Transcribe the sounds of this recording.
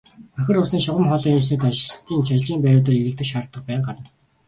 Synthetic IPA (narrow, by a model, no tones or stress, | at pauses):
pœxʲɪ̆rʊsniːŋʃʊʁə̆mχɔɮiːŋat͡ɕ̪iːt̪aʃ̆sə̥̆t̪iːnt͡ɕʰajɮiːmpæɾʲʊːt̪ə̆riɣɘ̆ɮt̪ɘ̆kʃart̪ːə̆q̚pæːɴɢanə̆n